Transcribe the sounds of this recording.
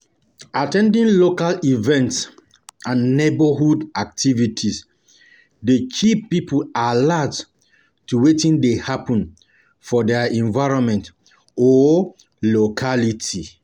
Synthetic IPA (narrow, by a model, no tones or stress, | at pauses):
atɛ̃ndĩnlokalivɛ̃nts | ãnnebəɦudak̚tʰivitʰis | dekʰipːipʰulalat | tuwetĩndehapɔ̃n | fɔdɛɛ̃nvaɪɹɔ̃nmɛ̃nt | ɔ | lokʰaliti